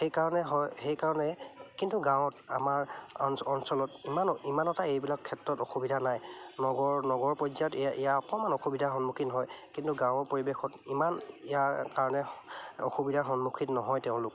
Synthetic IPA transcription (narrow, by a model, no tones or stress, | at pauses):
xejkaɹɔnɛɦɔjxejkaɹɔnɛkintʊɡãwɔta̰maɹɔnsɔlɔtimanimanɔtaejbilakʰːɛtɹɔtɔxubidʱanajnɔɡɔɹnɔɡɔɹpɔzajɔtɛjaʔijaɔkɔmanɔxubidʱaxɔnmukʰiɦɔjkintuɡãw̃ɔɹpoɹibexʰɔtimanijakaɹɔnɛɔ̰xubidʱaxɔnmukʰitnɔɦɔjtɛʊ̃lʊk